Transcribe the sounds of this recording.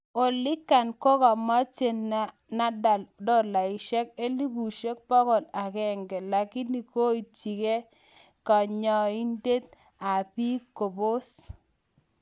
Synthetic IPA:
o˨lɪ˦kːa˨nkɔ˦kɔ˨mɔ˦t͡ʃe˨n | na˦da˨ldɔ˦la˨ɪ˨ʃɛ˦ke˦li˦bu˨ʃe˦k̚pɔ˦kɔ˨na˨kɛ˦ŋɡɛ˨la˨kɪ˦ni˨ko˦i˨t͡ʃi˨ke˦ | kɔ˨ɲɔ˨i˦nde˦t̪̚ | a˨pi˦ko˨bo˦s

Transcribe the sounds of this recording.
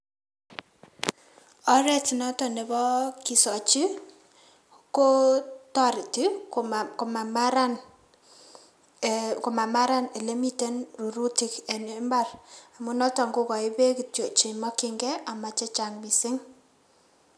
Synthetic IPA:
ɔ˦ɾɛ˦ti˨nɔ˦tɔ˨nɛ˨bɔ˦ki˨sɔ˨t͡ʃi˦ | ko˦tɔ˦ɾi˨ti˦ko˨ma˨maɾa˦n | ko˨ma˨ma˦ɾa˦ne˨le˦mi˦te˦nru˨ɾu˦tɪ˨kɛ˨ne˨mba˦˨ra˨mu˦nɔ˦tɔ˨ŋɡo˦kɔ˨ɪ˦be˦ki˨tjo˨t͡ʃi˨mɔ˦kɪ˦ŋɡɛ˦a˨ma˨t͡ʃɛ˦t͡ʃa˨ŋmi˨sɪ˦ŋ

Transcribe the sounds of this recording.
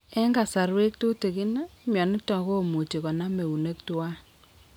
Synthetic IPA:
ɛ˦ŋɡa˨sa˨ɾwe˦k̚to˦te˨ki˦na˦mjɔ˨nɪ˦tɔ˨ko˦˨mu˨t͡ʃi˨kɔ˨na˦me˨u˨ne˦k̚twa˦

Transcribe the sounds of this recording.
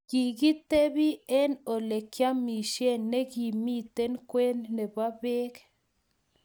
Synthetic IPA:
ɡ̥i˨ɡi˦t̪e˦bi˦e˦no˨le˨kja˦mi˨ʃje˦˨nːe˦ɡi˨mi˦t̪e˦nkʷe˦nne˨ba˦be˦k

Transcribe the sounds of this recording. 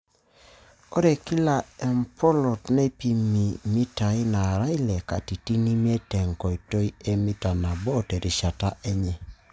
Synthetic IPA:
ɔ˦ɾe˨ki˦la˨e˨mpɔ˦lɔ˨tne˦pi˦mi˨mi˦ta˨i˦na˨ɾa˦i˦le˨ka̰˨ti˨ti˦ni˦mi˦e˦tɛ˨ŋkɔ˨i˨to˦i˦e˦mi˦ta˨na˨bɔ˦te˨ɾʔi˨ʃa˨ta˦ʔe˦ɲɛ˨

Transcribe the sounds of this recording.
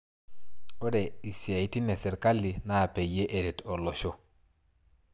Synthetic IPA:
o˦de˨i˨si˨a˨i˨ti˦ne˨sɛ˨ɾka˦lːi˨na˦˨pe˨je˦ʔe˨dɛ˨tɔ˨lɔ˨ʃo˦

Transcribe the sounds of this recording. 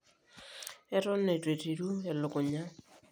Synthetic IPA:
ɛ˦ɾɔ˦nːe˨te˨ti˨ɾu˦e˨lʊ˨kʊ˨ɲa˦

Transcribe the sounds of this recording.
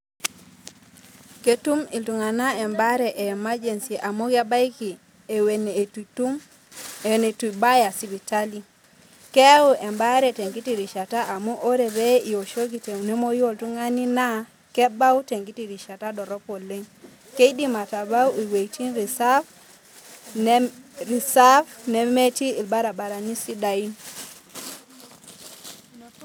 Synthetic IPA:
ke˦tu˦mi˨ltu˨ŋa˨na˦ɛ˨mba˦ɾɛ˨ʔe˨ma˦d͡ʒe˨nsi˨e˨ʔa˨mo˦ke˦ba˦jki˨ | wen˨tu˦m˨ | ne˨tu˨ba˦ja˨si˨bi˨ta˦li˨ | kɛ˦u˦ʔɛ˨mba˦ɾe˨te˨ŋɡi˦ti˨ɾi˨ʃa˨ta˦ʔa˨mu˦ʔo˦ɾe˨be˦i˨o˨ʃo˦ki˨te˨ne˦mo˦jo˦˨ltu˦ŋa˦ni˦na˦ | kɛ˦ba˦u˦te˨ŋɡi˦ti˨ɾi˨ʃa˨ta˦dɔ˨ɾɔ˦po˨le˦ŋ | ke˦i˦di˦ma˨ta˨ba˦wi˨we˨itʰi˦nɾi˨sa˦ | ɾi˨sa˦vne˦me˦ti˦i˨lba˦ɾa˨ba˨ɾa˨ni˦si˦da˨i˦n

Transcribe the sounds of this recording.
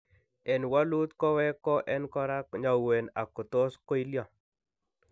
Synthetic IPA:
ɛ˨nwa˦lu˦t̪kɔ˦wɛ˦kɔ˦ʔɛ˦nkɔ˦ɾa˦kɲa˨we˨na̰˨kʊ˨t̪o˦sko˦i˦ljɔ˨

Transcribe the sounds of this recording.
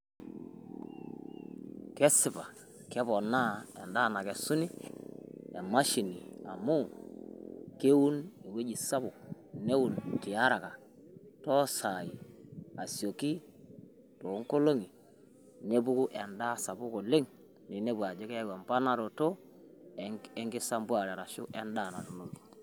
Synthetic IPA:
kɛ˦sɪ˨pa˨ | kɛ˦pɔ˨na˦ɛ̰˨nda˦˨na˨kɛ˨su˦ni˦ | ɛ˨ma˦ʃi˨nḭ˨a̰˨mu˦ | ke˦wu˦ne˨we˦d͡ʒi˨sa˦bʊ˨k̚ne˦wu˨ntɪ˨a˦ɾa˨ka˨ | tɔ˦sa˨i˨a˨sjo˨ki˦ | to˨˦ŋ˦ko˦lo˦ŋi˨ | ne˦bu˦ku˦ʔɛ˨nda˦sa˨bʊ˦ko˨lɪ˦ŋ | ni˨ne˦ba˨d͡ʒe˦kɛ˦wa˨mpa˦na˦ɾo˨to˦ | ɛ˦ŋɡɪ˦sa˦mbwa˦˨ɾɛ˨ɾa˨ʃʊ̰˦ʔɛ˦ndaː˦˨na˨to˨no˨ki̥˨

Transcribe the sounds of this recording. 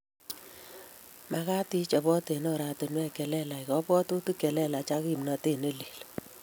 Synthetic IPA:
ma˨˧ka˦ti˦t͡ʃɔ˨bɔ˦te˨nɔ˨ɾa˨to˨nwɛ˦˨kɛ˨lɛ˦la˨i˨kɔ˨˦pɔ˦to˦tu˦kɛ˨lɛ˦la˨t͡ʃa˦ki˦˨mna˨te˦˨ne˦li˨l

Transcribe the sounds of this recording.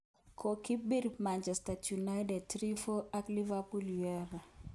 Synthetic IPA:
kʰo˨ki˦bi˦ɾma˨nt͡ʃɛ˨staju˨na˦jdɛ˨tɾi˦fo˦a˦kli˦va˦pu˦ljɛ˦va˨

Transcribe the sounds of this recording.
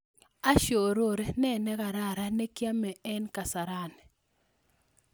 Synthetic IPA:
a˦ʃo˨ɾo˨ɾe˦nɛ˦nɛ˦ɡa˨ɾa˦˨ɾa˦ne˦kja˦mɛ˨ɛ˦nka˨sa˨ɾa˦˨n

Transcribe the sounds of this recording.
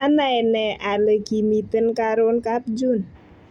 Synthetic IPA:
a˦na˨ɛnɛʔa˨lə˨ki˨mit̪ə˦nkaɾonkat̪̚d͡ʒu˦n

